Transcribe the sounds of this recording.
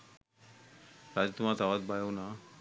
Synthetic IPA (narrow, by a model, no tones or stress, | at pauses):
t̪ad͡ʑit̪umat̪awat̪̚bajona